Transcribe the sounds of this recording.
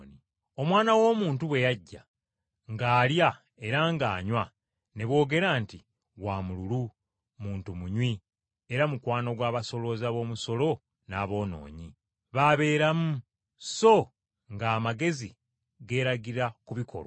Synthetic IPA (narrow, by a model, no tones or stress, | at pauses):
ni | o̞mwaːnawo̞ːmuːntuβwe̞jaɟːa̰ | ŋɡaːlja | e̞ɾaŋɡaːɲwa | ne̞βwo̞ːɡe̞ɾaːnti | waːmululu | muːntumuɲwi | e̞ɾamukwaːno̞ɡwaːβaso̞lo̞zaβo̞ːmuso̞lo̞ | naːβo̞ːno̞̰ːɲi | βaβe̞ːɾamu | so̞ | ŋɡaːmaɡe̞zi | ɡe̞ːɾaɡiɾakuβikʰo̞̰lo